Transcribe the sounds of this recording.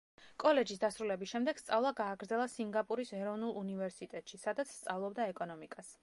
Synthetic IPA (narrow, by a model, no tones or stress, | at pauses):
kʼɔlɛd͡ʒis̬d̪asɾulɛbisʃɛmd̪ɛɡ̥st̪sʼavlˠaɡaːɡɾd̪zɛlˠasiŋɡapʼuɾisɛɾɔvnulˠunivɛɾsit̪ʼɛt̪ʼʃisad̪at̪sʰst̪sʼavlˠɔb̚d̪aɛkʼɔnɔmikʼas